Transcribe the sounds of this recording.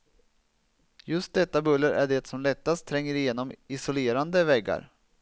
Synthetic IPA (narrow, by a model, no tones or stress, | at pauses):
jɵst̪̚d̪ɛt̪ːabɵlːəɾʔæɖɛt̪sɔmlɛt̪ːast̪ʰːɾɛŋːəɾɪjeːnɔmɪsʊleːɾand̪əvɛɡːa̰ɾ